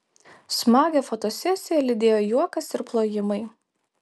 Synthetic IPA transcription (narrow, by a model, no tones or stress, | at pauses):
smɑːɡʲɛfot̪osʲɛsʲɪjɛlʲɪd̪ʲeːjoːjuɔkɐsɪɾplˠoːjɪmɐɪ